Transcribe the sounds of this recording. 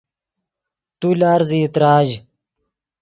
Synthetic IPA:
t̪ulaːɾziːt̪ɾaːd͡ʑ

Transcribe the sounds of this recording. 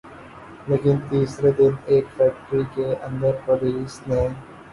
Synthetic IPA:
leːkɪ̃nt̪iːsɾed̪ɪ̃neːʈfæk̚ʈɾikeʔɐ̃nd̪əɾpɔɾisnẽ

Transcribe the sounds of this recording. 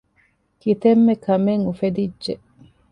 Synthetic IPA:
kit̪emːekʰɐmeŋufed̪id͡ʒʒe

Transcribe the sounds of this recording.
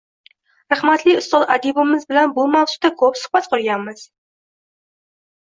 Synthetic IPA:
ɾɑχmat̪liʊst̪ʊlˠʔad̪ibɪmɪzbɪlanbumawsu̥t̪akʰɵpsʊ̥χbat̪qʰʊɾjamːɨz̥

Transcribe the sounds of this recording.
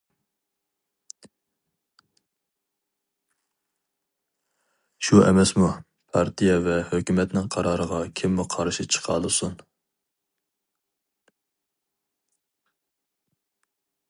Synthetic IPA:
ʃuʔɛ̰mɛsmu | pʰɑɾt̪ʰijɛvɛhøkʲymɛt̪nɪŋqʰɑɾɑːɾəʁɑkʲʰimːuqʰɑɾʃit͡ʃʰə̥qʰɑ̰lˠɨsun

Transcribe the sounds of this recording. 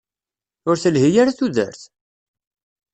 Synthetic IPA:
ʊɾθəlhijaɾaθuðə̰ɾθ

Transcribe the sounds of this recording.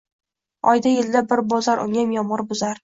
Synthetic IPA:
ɒjd̪ajɪld̪abɪɾbɒzaɾʔʊ̰ŋamjɒmɨɾbʊzaɾ

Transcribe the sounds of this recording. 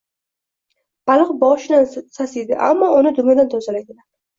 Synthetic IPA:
b̥alˠɨqbɒʃɪnansasijd̪ɪ̰ʔa̰mːɒʊnɪd̪ʊmjad̪ant̪ʰɒzalajd̪ɪlad̪

